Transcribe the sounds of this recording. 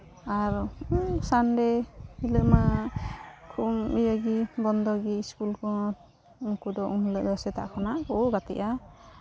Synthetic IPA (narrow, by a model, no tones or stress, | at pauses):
aɾsandɛiləma | kʰumijaɡibɔnd̪ɔɡiskulkɔ | uŋkud̪ɔʔunləʔd̪ɔsɛt̪a̰ʔkʰɔnakoɡat̪ɛ̰ʔa